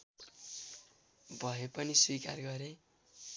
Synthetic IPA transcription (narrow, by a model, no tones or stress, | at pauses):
bʱʌɦepʌniswikarɡʌɾe